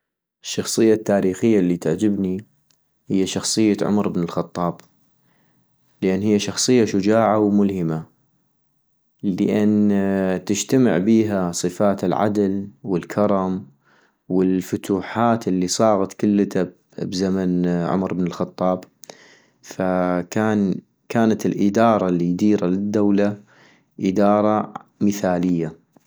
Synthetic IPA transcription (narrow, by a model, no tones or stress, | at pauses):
ʔɪʃːɑxsˤɨjːat̪ːaːɾiːxɪjːalːit̪aʕd͡ʒɪbni | hɪjːaʃɑxsˤɨjːaʕʊ̰mɾɪbnɪlxɑt̪ˤːɑːb | lɪʔanːhɪjːaʃɑxsˤɨjːaʃʊd͡ʒaːʕawmʊlhɪma | ləʔant̪ɪd͡ʒt̪amɪ̰ʕbiːɦasˤɨfaːt̪ɪlʕa̰d̪lwɪlkʰɑɾˤɑm | wɪlfʊt̪uːħaːt̪ɪlːisˤɑːɣɑt̪kʊlːt̪a | bzamanʕʊ̰mɾəbnɪlxɑt̪ˤːɑːb | fakaːn | kaːnat̪ɪlʔɪd̪ɑːɾˤɑlid̪iːɾalɪd̪ːawla | ʔɪd̪ɑːɾˤɑmɪθaːlɪjːa